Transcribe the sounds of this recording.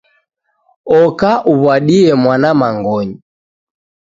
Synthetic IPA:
ɔkaʔuβwaɗiɛmwanamaŋɡɔɲi

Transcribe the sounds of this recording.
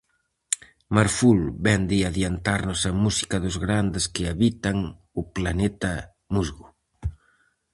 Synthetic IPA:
maɾfulbɛnd̪ɪaðjant̪aɾnʊsɐmusi̥kɐðʊzɣɾand̪ɪskɪaβit̪aŋ | ʊplanɛt̪ɐ | muzɣʊ

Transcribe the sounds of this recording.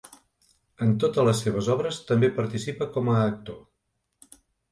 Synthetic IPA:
ənt̪ot̪ələsːeβ̞əzɔβɾəst̪əmbepəɾt̪isipəkɔməːk̚t̪o

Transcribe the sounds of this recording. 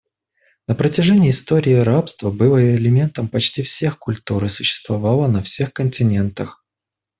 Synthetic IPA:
nəpɾətʲɪʐɛnʲɪːst̪o̞ɾʲɪːɾapst̪vəbɨlˠəɪlʲɪmʲe̞nt̪əmpɐt͡ɕtʲifsʲe̞xkʊlʲt̪uɾɨsʊɕːɪ̥st̪vɐvalˠənɐfsʲe̞xkənʲtʲɪnʲe̞nt̪əx

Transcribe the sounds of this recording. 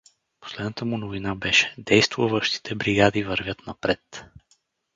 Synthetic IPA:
po̥slɛd̪nət̪əmunovinabɛʃɛ̥d̪ɛjst̪vuvəʃt̪i̥t̪ʰɛbɾiɡad̪ivəɾvʲjət̪nɐpɾɛt̪

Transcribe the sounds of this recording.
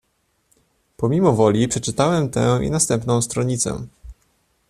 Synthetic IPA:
pɔmʲimɔvɔlʲipʂɛt͡ʂɘt̪awɛmt̪ɛ̰̃ḭnast̪ɛmpnɔ̃w̃st̪ɾɔɲit̪sɛ̰

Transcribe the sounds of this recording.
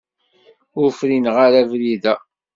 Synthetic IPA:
ʊɾfɾinʁaɾævliðæ

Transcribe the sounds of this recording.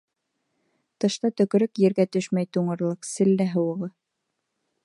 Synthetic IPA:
t̪ɤ̆ʃt̪ɑt̪ɵ̆k̆ɾɘkjɘ̆ɾɡæt̪ɵʃmæjt̪uɴɤ̆ɾlˠɤqsɘ̆lːæɦɤ̆wɤ̆ʁɤ

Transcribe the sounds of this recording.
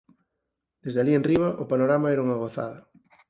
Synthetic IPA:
d̪̥ezðealienriβɐʔopanoɾamaɛɾuŋɐɣoθa̰ðɐ

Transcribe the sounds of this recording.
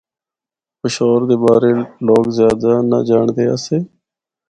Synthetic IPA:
pɪʃoːɾd̪eːbaːɾeːloːkzjaːd̪aːna̰ːd͡ʒaːɳd̪eːa̰ːseː

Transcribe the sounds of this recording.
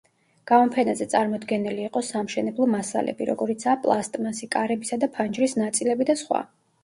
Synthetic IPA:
ɡ̥amɔmpʰɛnazɛt̪sʼaɾmɔd̪ɡɛniliːqʼɔsamʃɛnɛblˠɔmasa̰lɛ̰biɾɔ̰ɡɔɾit̪sʰaːpʼlˠast̪ʼmasikʼaɾɛbisad̪apʰand͡ʒɾisnat̪sʼilɛbid̪asχwa̰

